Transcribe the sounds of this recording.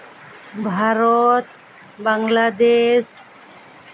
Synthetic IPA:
bʱaɾot̪̚ | baŋlad̪es

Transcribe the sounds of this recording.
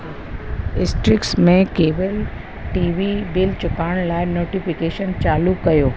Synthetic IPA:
ɖɪsʈɾɪksmẽkeːʋəl | ʈiːʋibɪlt͡ɕʊkaːɽ̃laːɪnoːʈifɪkeːʃənt͡ɕaːlukɐjoː

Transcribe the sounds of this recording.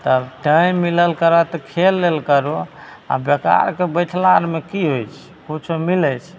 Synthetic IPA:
t̪əbʈaimːiləlkəɾɔt̪ɔkʰelːelkəɾo | a̰bjeka̰ɾkebəjʈʰlaɾmekiɦojt͡ʃʰ | kut͡ʃʰomilɛt͡ʃʰ

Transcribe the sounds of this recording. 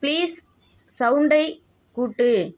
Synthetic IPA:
pliːs | sɐʊɳɖɐɪ | kuːʈːɯ

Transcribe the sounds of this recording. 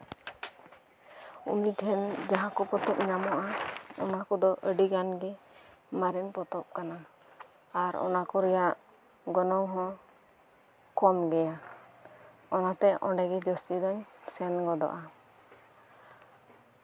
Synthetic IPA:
ṵniʈʰɛnd͡ʒaɦãkɔpɔt̪ɔp̚ɲamɔʔaɔnakɔd̪ɔʔəɖiɡanɡɛ | maɾɛnpɔt̪ɔp̚kana | aɾɔ̰nakɔɾɛjaʔ | ɡɔnɔŋɦɔ̃ | kɔmɡɛja | ɔnat̪ɛɔ̰̃ɳɖɛɡɛd͡ʒəst̪id̪ɔɲsɛnɡɔd̪ɔ̰ʔa

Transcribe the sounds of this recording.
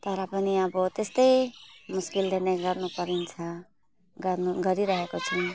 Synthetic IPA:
t̪ʌɾʌpʌniʌbʌt̪est̪ʌjmuskild̪ʱeneɡʌrnupʌɾint͡sʰʌ | ɡʌnuɡʌɾiɾʌɦekot͡sʰu

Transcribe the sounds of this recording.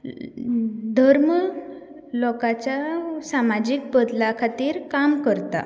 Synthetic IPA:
d̪ʱəɾm | lɔkat͡ɕjasamad͡ʑiːk̚bəd̪lakʰat̪iːɾkamkəɾt̪a̰

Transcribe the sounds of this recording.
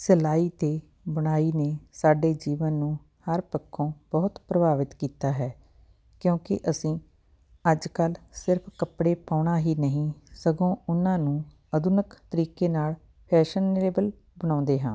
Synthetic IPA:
səlaːiːt̪eː | bəɽ̃aːiːneːsaːɖeːd͡ʒiːʋənːũː | həɾpəkʰːõːbɔːt̪pɾəbaːʋɪt̪kiːt̪aːɦɛː | kjõːkɪ̰ʔəsĩː | əd͡ʒkəlsɪɾpʰkəpɽeːpaːʊɳaːɦiːnəɦĩːsəɡõːʊnãːnũː | əd̪ʊnəkt̪əɾiːkeːnaːl | pʰɛːʃəneːbəl | bəɽ̃ãːnd̪eːɦãː

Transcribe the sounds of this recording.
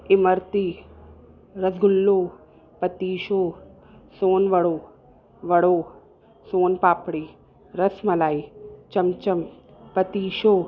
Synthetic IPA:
ɪməɾt̪iː | ɾɐsɡʱʊlːoː | pɐt̪iːʃoː | soːnʋɐɽoː | ʋɐɽoː | soːnpaːpɽiː | ɾɐsmɐlaːit͡ʃɐmt͡ʃɐm | pɐt̪iːʃoː

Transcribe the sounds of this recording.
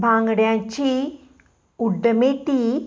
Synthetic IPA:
bʱaːŋɡɐɽeat͡ɕi | uɖɐmeːʈːi

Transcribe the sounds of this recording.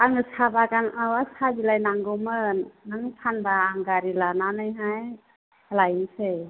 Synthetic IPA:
aŋɯsabaɡaŋawasabilajnaŋɡɔmɯnːaŋɯpʰanbaːŋɡaɾilananɯjɦaj | lajɯse

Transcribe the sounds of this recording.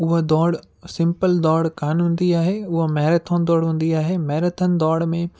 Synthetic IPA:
ʊɦod̪ɔːɽ | sɪ̃mpəld̪ɔːɽkaːnũːn̆d̪iaːɦeʊɦomɐɦɪɾət̪ʰənd̪ɔːɽɦũːn̆d̪iaːɦemɐɦɪɾət̪ʰənɪ̆d̪ɔːɽmẽ

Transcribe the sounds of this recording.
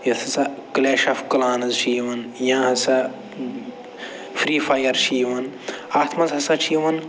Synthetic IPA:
jɐt̪ʰɐsɐkleːʃɐfkɐlaːnɐzʃiːʋɐnjãɦɐsɐ | fɾiːfajɐɾʃiːʋɐnaːt̪ʰmɐzɦɐsɐt͡ʃʰiːʋɐn

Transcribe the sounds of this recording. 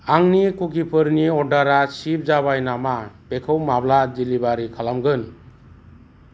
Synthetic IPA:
aŋnikukipʰɯɾniɔdaɾasip̚d͡ʒaβajnamabekʰɯwmablad͡ʒilibaɾikʰalamɡɯn

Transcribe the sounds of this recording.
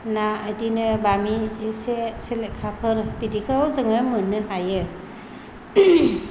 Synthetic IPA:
naədinɯbamiseselekʰapʰɯɾbidikʰɯwzɯŋɯmɯnːɯhajɯ

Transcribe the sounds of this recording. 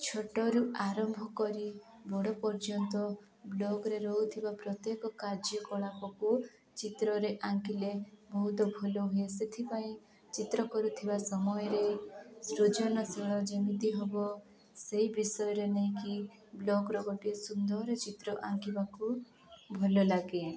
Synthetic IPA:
t͡ʃʰɔʈɔɾuʔaɾɔmbʱɔkɔɾi | bɔɽɔpɔɾd͡ʒɔnt̪ɔ | blɔɡɔɾeɾɔɦut̪ʰibapɾɔt̪jekɔkaɾd͡ʒɔkɔɭapɔku | t͡ʃit̪ɾɔɾeʔaŋkilebɔɦut̪ɔbʱɔlɔɦueset̪ʰipaĩ | t͡ʃit̪ɾɔkɔɾut̪ʰibasɔmɔjɔɾesɾud͡ʒɔnɔseɭɔd͡ʒemit̪iɦɔbɔ | seɦibisɔjɔɾeneĩki | blɔɡɾɔɡɔʈiesund̪ɔɾet͡ʃit̪ɾɔʔaŋkibaku | bʱɔlɔlaɡe

